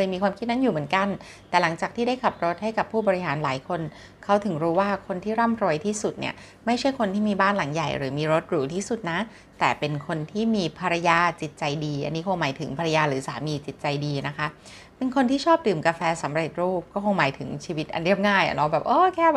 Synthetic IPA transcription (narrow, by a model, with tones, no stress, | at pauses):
lɤː˧jmiː˧kʰwaː˧mʰi˦t̪̚na˦˥njuː˨˩mɯ˩˦nka˧n | t̪ɛː˨˩la˩˦ŋt͡ɕaː˨˩kt̪ʰiː˥˩da˥˩jkʰa˨˩p̚ɾo˦˥t̪̚ha˥˩jka˨˩pʰːuː˥˩bɔː˧ɾi˦˥ɦaː˩˦nlaː˨˩˦jkʰo˧n | kʰa˦˥wt̪ʰɯ˩˦ŋɾuː˦˥waː˥˩kʰo˧nt̪ʰiː˥˩ɾa˥˩mɾo˧əjt̪ʰiː˥˩su˨˩t̪̚nḭ˥˩ɐ | ma˥˩jt͡ɕʰa˥˩jkʰo˧nt̪ʰiː˥˩miː˧baː˥˩nla˨˩˦ŋja˨˩jɾɯ̰ː˩˦miː˧ɾo˦˥t̪̚ɾuː˩˦t̪ʰiː˥˩su˨˩t̪̚na˦˥ | t̪ɛː˨˩pe˧nkʰo˧nt̪ʰiː˥˩miː˧pʰa˧ɾa˧jaː˧t͡ɕi˨˩t̪̚t͡ɕa˧jdiː˧ʔa̰˧nːiː˦˥kʰo˧ŋmaː˩˦jt̪ʰɯ˨˩˦ŋpʰa˧ɾa˧jaː˧ɾɯː˩˦saː˨˩˦miː˧t͡ɕi˨˩t̪̚t͡ɕa˧jdiː˧na˦˥kʰa˦˥ | pe˧nkʰo˧nt̪iː˥˩t͡ɕʰɔː˥˩p̚t̪ɯː˨˩mkaː˧fɛː˧sa˩˦mɾe˨˩t̪̚ɾuː˥˩p̚kɔː˥˩kʰo˧ŋmaː˨˩˦jt̪ʰɯ˩˦ŋt͡ɕʰiː˧wi˦˥t̪̚ʔa̰˧nɾi˥˩əp̚ŋaː˥˩ja̰˨˩lɔ˧˩bɛː˨˩p̚ʔoː˧˩kʰɛː˥˩